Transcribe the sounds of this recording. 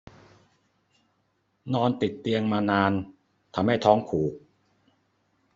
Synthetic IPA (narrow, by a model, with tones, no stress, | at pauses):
nɔː˧nt̪i˨˩t̪ːi˧əŋmaː˧naː˧n | t̪ʰa˧mha˥˩jt̪ʰɔː˦˥ŋkʰuː˨˩k̚